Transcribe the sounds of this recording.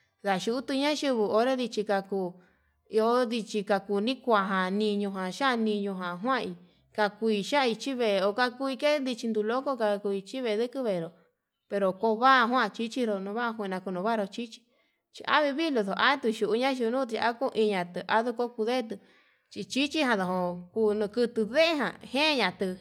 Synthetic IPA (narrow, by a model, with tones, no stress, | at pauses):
ða˨ʃu˧u˦t̪u˧ɲã˦ʃu˧βu˧o˧ɾe˦ði˧t͡ʃi˧ka˧kuː˧ | i˧o˦ði˧t͡ʃi˧ka˧kuː˧˨nĩ˦kʷa˧˨ɦã˨nĩ˧ɲõ˧ɦã˨ʃa˦˧nĩ˧ɲõ˧ɦã˨ɦw̃ã˦˧i˧ | ka˧ku˧i˧ʃa˦˧i˧t͡ʃi˦βe˧˨˧o˧ka˧ku˧i˧ke˦nd̪i˧t͡ʃi˧nd̪u˧lo˦ko˦ka˧ku˧i˧t͡ʃi˦βe˧˨˧ðɨ˦kɨ˦βe˧˨ɾo˨ | pe˧ɾo˨ko˧˦βa˦˧ɦwã˦˧t͡ʃi˦t͡ʃi˦ɾo˧nũ˧βa˦˧kʷːnã˧ku˧nũ˧βa˦˧ɾo˧t͡ʃi˦t͡ʃi̥˧ | t͡ʃḭ˧ʔa̰˦βi˧βi˦lo˧ðo˨ʔa˦t̪u˧ʃu˨ʔu˧ɲã˦ʃ̬u˧nũ˦t̪̬i˧a̰˦ko˦˧ʔi˧ɲã˨t̪ɨ˧ʔa˧ðu˧ko˦ku˧ðe˦˧t̪ɨ˧ | t͡ʃi˧t͡ʃi˦t͡ʃi˦hã˧ðo˨ɦõ˧kuː˧nũ˧kɨ˧t̪ɨ˧ðe˦e˦ɦã̰˨hẽː˦˧ɲã˧t̪ɨ˧